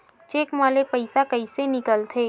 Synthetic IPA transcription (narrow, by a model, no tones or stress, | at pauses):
t͡ʃeːkmaːlepəɪsakəisenɪkəlt̪ʰeː